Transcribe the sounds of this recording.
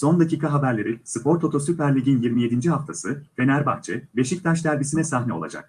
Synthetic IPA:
so̞nd̪aciːkʰaɦabæɾlʲe̞ɾinsɯpʰo̞ɾt̪o̞t̪ʰo̞sypæɾlʲiɟinjiɾmije̞d̪ind͡ʒiɦaft̪ʰasɯfe̞næɾbaht͡ʃʰɛbe̞ʃic̚t̪ʰaʃd̪æɾbisinɛsaɦnɛo̞lˠa̰d͡ʒa̰k̚

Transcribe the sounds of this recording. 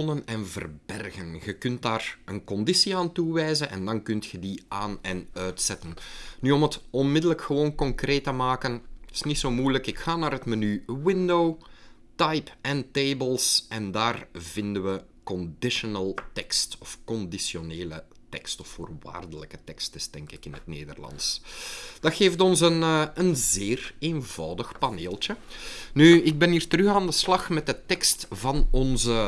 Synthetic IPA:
nənɛnvə̰rbɛrɣənɣəkʏnt̚daːrənkɔndisiaːntuʋɛjzənʔɛ̰ndɑnkʏntxədiaːnɛnœɥtsɛtənnyɔmətɔnmɪdələkxəʋoːnkɔŋkreːtəmaːkəntɪ̥snitsoːmujləkɪkxaːnaːrɦətmanywɪndow | tɑjpɛnteːbəlˠsɛndaːrvɪndəʋə | kɔndɪʃɔnəlˠtɛkstɔfkɔndisjoneːlə̰ | tɛ̰kstɔffo̰ːrʋa̰ːrdələkətɛkstɪsd̥ɛŋkɪkɪnɦətnḛːdə̰rlɑ̰ns | d̥ɑxeːftɔnsənənzeːreːnvɑːwdəxpaneːlˠtə | nyɪɡ̚bɛniːrtərɵxaːndəslɑxmɛt̚dətɛkstvɑnɔnzə

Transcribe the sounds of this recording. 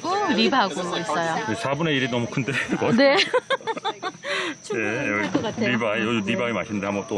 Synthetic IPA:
ɾibaɡois͈ʌjoesʰabune̞iɾinʌmukʰɯndeɾeɡone | neʌɾibajʌnibaima̰ɕʰinndehambʌt͈o

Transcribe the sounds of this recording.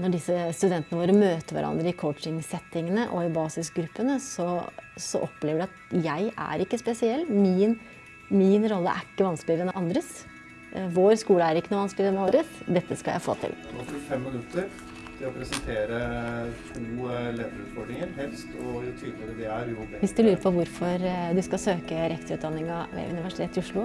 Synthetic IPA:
nɔɖɪsːəst̪ʉd̪ɛnt̪ənəʋoːɾəmøːt̪əʋæ̰ɾʔɑ̰nd̪ɾəɪkʰɔʊt͡ʃɪŋsɛt̪ːɪŋənəʔɔɪbɑːsɪsɡɾʉpːənəsɔsɔ̰ʔɔpːleːʋəɖʉɑt̪jæɪæ̰ɾɪkːəspɛsɪɛlːmɪn | mɪnɾɔlːə̰ʔæ̰ɾɪkːəʋɑnsklɪɾɛnɑnd̪ɾəs | ʋoːɾskuːləæɾɪkːənuːʋɑnsklɪɾɛnɑnd̪ɾəsd̪ɛt̪ːəskɑljæ̰ɪfo̰ːt̪ʰɪ̰lɡot̪ʰɪfɛmːɪnʉt̪ʰːəɾ | t̪ʰɪlɔpʰɾɛsɛnt̪ʰeːɾət̪ʰuːlɛːʋlʉ̰ːt̪fɔɖɳɪŋəɾɦɛlst̪ɔt̪ʰʋɪəɾəd̪ɛæɾʊʋɪsd̪ʉlʉːɾəpʰɔʋʊɾfɔɾd̪ʉskɑsøːkəɾɛkt̪əʉːt̪̚d̪ɑnːɪŋɑʋɛ̰ʔʉ̰nɪʋæʂɪ̥t̪ʰeːt̪ːɪʊʂlɭʊ

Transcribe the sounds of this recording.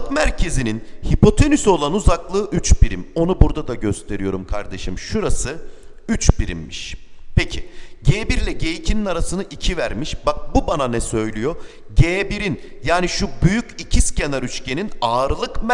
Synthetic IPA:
kmæɾcʰe̞zininhipo̞t̪ʰe̞nyso̞lˠanuzaklˠɯːʔyt͡ʃbiɾimo̞nubuɾd̪ad̪aɟø̞st̪ʰe̞ɾijo̞ɾumkʰa̰ɾd̪e̞ʃɯmʃuɾasɯ | yt͡ʃbiɾḭmːḭʃpecʰiɟeːbiɾlʲɛɟe̞jicʰininaɾasɯnɯʔicʰivæɾmiʃbak̚bubananɛsø̞jlʲyjo̞ | ɟeːbiɾin | jaːniʃubyjycicʰiscʰenaɾyt͡ʃcʰe̞ninaːɾɯlˠɯkm

